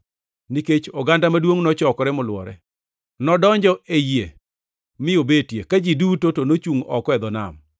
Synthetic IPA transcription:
niket͡ʃɔɡandamadwoŋnɔt͡ʃɔkɔɾɛmʊlwɔ̰ɾɛ̰ | nɔdɔɲd͡ʒɔʔeje | mɪobetjekad͡ʒidutotonot͡ʃuŋɔ̰kɔɛd̪ɔna̰m

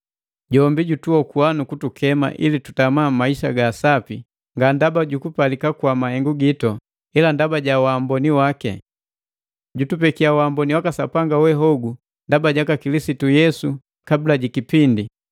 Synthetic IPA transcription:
ɟɔmbiɟutuɔkuanukutukʰɛma̰ʔḭlitu̥tamamaiʃa̰ɡasapi | ŋɡandabaɟukupalikakwamahɛŋɡuɡitɔ | ilandabaɟawaːmbɔniwakɛ̰ | ɟutupɛkiawambɔniwakasapaŋɡawɛɦɔɡu | ndabaɟakakilisitujɛsu | kabilaɟikipindi

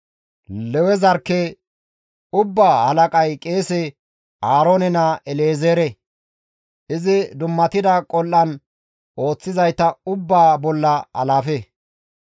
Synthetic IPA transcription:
lɛwɛzɐɾkːɛ | ʊbːaːhɐlɐkʼɐjkʼe̞ːsɛ | ʔaːɾoːnɛnɐʔɛleːzeːɾɛ | ʔɪzɪd̪ʊmːɐt̪ɪd̪ɐkʼɔlʔːɐn | ʔo̞ːt͡sːɪzɐjt̪ːɐʊbːaːbɔlːɐɐ̰laːfe

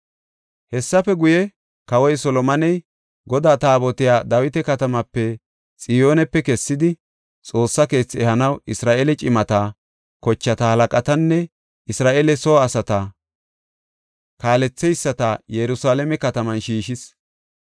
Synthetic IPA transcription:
hɛsːɐfɛɡʊjɛ | kɐwɔjsɔlɔmɐnɛj | ɡɔd̪aːt̪aːbɔt̪ɪjaːd̪ɐwɪt̪ɛkɐt̪ɐmɐpːɛ | t͡sʼɪjo̞ːnɛpːɛkɛsːɪd̪ɪ | t͡sʼo̞ːsːɐke̞ːt͡sːɛhɐnɐwɪsɾaːʔelɛt͡ʃʼɪmɐt̪a | kɔt͡ʃːɐt̪ɐhɐlɐkʼɐt̪ɐnːɛ | ʔɪsɾaːʔeːlɛsɔɐsɐt̪ɐ | kaːlɛt͡sːɛjsːɐt̪ɐjɛɾʊsaːlɛmɛkɐt̪ɐmɐnʃiːʃɪs

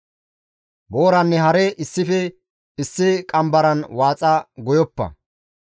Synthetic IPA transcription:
bo̞ːɾɐnːɛɦɐɾɛʔɪsːɪfɛ | ɪsːɪkʼɐmbɐɾɐnwaːt͡sʼɐɡɔjɔpːɐ̰

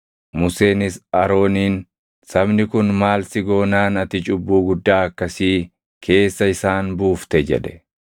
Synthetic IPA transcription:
mʊse̞ːnɪsɐɾo̞ːniːn | sɐbnɪkʊnmaːlsɪɡo̞ːnaːnɐt̪ɪt͡ʃʼʊbːuːɡʊd̪ːaːɐkːɐsiː | kʰe̞ːsːɐɪsaːnbuːft̪ɛd͡ʒɛ̰ᶑɛ

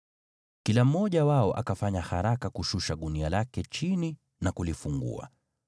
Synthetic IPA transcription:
kilam̩mɔʄawaɔʔa̰kafaɲaha̰ɾakakuʃuʃaɗunialakɛt͡ʃini | nakulifuŋɡṵa̰

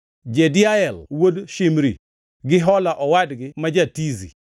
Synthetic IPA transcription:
d͡ʒedɪaɛlwodʃimɾḭ | ɡɪɦɔlaʔɔwadɡɪmad͡ʒatizḭ

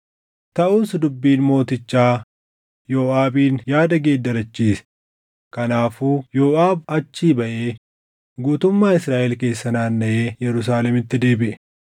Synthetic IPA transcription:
t̪ɐʔuːsd̪ʊbːiːnmo̞ːt̪ɪt͡ʃːaː | joːʔaːbiːnjaːd̪ɐɡe̞ːd̪ːɐɾɐt͡ʃːiːsɛ̥ | kɐnaːfuːjoːʔaːbɐt͡ʃːiːbɐʔe̞ː | ɡuːt̪ʊmːaːɪsɾaːʔɛlke̞ːsːɐnaːnːɐʔeːjɛɾʊs̬aːlɛmɪt̪ːɪd̪e̞ːbɪʔɛ

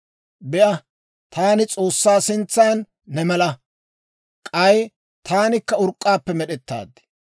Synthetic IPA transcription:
bɛʔɐ | t̪ʰaːnɪt͡sʼo̞ːsːaːsɪnt͡sːaːnː | ɛmɛlɐ | kʼɐj | t̪aːnɪkːɐʊɾkʼːaːpːɛmɛɗɛt̪ːa̰ːd̪ɪ̥

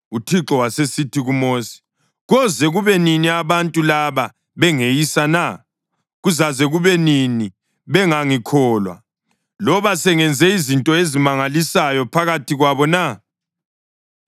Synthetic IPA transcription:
utʰiǁɔwasesitʰiɣumosi̥ | ɣɔzɛɣuβɛniniaβantʼulaβa | βɛŋejisana | ɣuzazɛɣuβɛnini | βɛŋaŋikʰɔːlwa̰ | lɔβasɛŋɛnd͡zʱɛizintʼɔezimaŋalisajɔpʰaɣatiɣwaβɔna

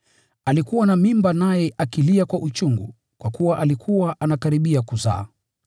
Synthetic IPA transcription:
alikuwanamimbanajɛʔakiliakwaʔut͡ʃuŋɡṵ | kwakuwaʔalikʰuwaʔanakaɾiɓiakuza̰ː

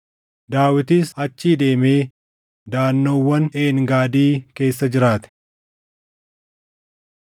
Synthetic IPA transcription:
d̪aːwɪt̪isɐt͡ʃːiːd̪e̞ːmeː | d̪aːnːoːwːɐnʔe̞ːŋɡaːd̪iːke̞ːsːɐd͡ʒɪɾaːt̪ɛ̥

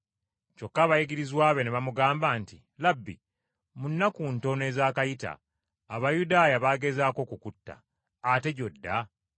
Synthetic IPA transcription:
t͡ʃo̞kːaβajiɡiɾizwaːβe̞neβamuɡaːmbaːnti | labːḭ | munːakunto̞ne̞ːzaːkajita̰ː | βajudaːjaβaɡe̞zaːko̞kukutːa̰ː | te̞ɟo̞dːa

